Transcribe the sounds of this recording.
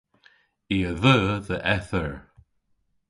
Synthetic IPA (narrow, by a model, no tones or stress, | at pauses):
iːəðəːðəʔɛθəɹ